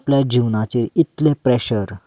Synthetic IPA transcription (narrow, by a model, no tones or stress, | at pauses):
pljad͡ʑiʋnat͡ɕiːɾit̪lepɾɛɕəɾ